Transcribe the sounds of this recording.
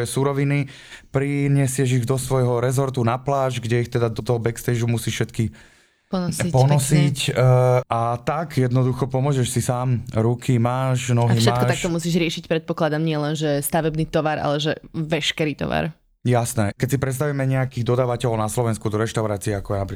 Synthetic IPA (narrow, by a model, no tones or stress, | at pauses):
ɔjɛsuɾɔʋini | pɾiɲɪɛsɪɛʒiɣd̪ɔsʋɔjɦɔɾɛzɔɾt̪unaplaːʒɡɟɛixt̪ɛd̪ad̪ɔt̪ɔɦɔbɛkst̪ɛʒumusiːʃʃɛt̪ki | pɔnsipɔnɔsic | at̪aɡjɛd̪nɔd̪uxɔpɔmʊɔʒɛʃsisaːmɾukʰimaːʃnɔɦiʃmɛakːkɔt̪akʃt̪ɔmusiːʒɾɪɛʃicpɾɛt̪̚pɔklad̪amɲɪɛlɛnʒɛst̪aʋɛbniːt̪ɔʋaɾa̰lɛʒɛʋɛʃkɛɾiːt̪ɔ̰ʋa̰ɾ | jasnɛkɛcsipɾɛt̪s̬t̪aʋuimɛɲɛakiːɣd̪ɔd̪aːʋacɛlɔʊnaslɔʋɛnskud̪ɔɾɛʃt̪aʊɾaːt͡siɛakɔjɛnapɾi